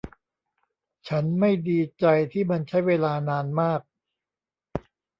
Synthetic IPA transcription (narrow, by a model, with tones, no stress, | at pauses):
t͡ɕʰa˦˥nma˥˩jdiː˧t͡ɕa˧jt̪ʰiː˥˩ma˧nt͡ɕʰa˦˥jweː˧laː˧naː˧nmaː˥˩k̚